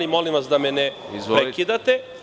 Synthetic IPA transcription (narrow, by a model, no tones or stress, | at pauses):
imolimʋasd̪amɛnɛ | izpɾekid̪at̪e